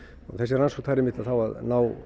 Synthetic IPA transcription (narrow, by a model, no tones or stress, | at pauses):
ɔɣθɛsːɪransɔt̪ʰaɾemːɪt̪aðθawaðnaːw